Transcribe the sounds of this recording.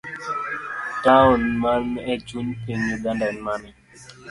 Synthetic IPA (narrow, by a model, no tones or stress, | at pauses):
tawɔnmanɛd͡ʒunpeɲiɡandanmanɛ